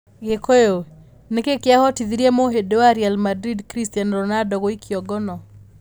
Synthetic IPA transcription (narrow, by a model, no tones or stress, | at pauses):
ɡekojo | nekekjahɔtiðiɾiemoɦedoaɾjalmadɾidkɾistjanɾɔnadɔkoikʰjɔɡɔnɔ